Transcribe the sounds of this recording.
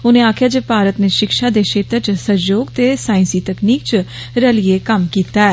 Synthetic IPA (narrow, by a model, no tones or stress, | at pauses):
ʊnẽːaːkʰjaːd͡ʒeːpaːɾət̪neːʃɪkʃaːd̪eːʃeːt̪ət͡ʃsəjoːɡt̪eːsaːɪ̃nsiːt̪əkniːk̚t͡ʃ | ɾəlɪeːkəmkiːt̪aːɛː